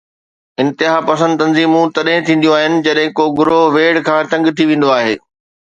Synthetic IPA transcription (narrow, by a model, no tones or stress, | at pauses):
ɪ̃nt̪ɪɦaːpɐs̬ə̃nd̪t̪ɐ̃nziːmũt̪ɐɗɦɪ̃t̪ʰĩːn̆d̪joaːɦɪnɪ̆d͡ʑɐɗɦɪ̃koːɡʊɾoʋeːɽkʰãːt̪ɐ̃ŋɡt̪ʰiʋẽːn̆d̪oaːɦeː